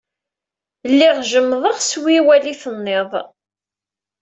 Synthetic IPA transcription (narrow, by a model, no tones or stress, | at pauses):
lːiʁʒəmːðˤəʁswiwæliθənːɪðˤ